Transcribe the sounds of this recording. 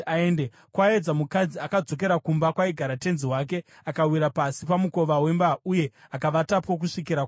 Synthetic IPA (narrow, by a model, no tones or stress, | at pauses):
aeːnde | kwaed͡zamukad͡ziakad͡zo̞k̬e̞ɾakumbakwaiɡʱaɾate̞nziɦwak̬e̞ | akawiɾapasipamuko̞ʋawe̞mbauje̞akaʋatapo̞k̬uʂik̬iɾa